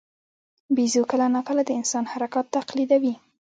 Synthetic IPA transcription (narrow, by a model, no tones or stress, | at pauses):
bizokəlanɑkəlad̪əɪnsɑnhaɾakɑt̪ːaqlid̪awi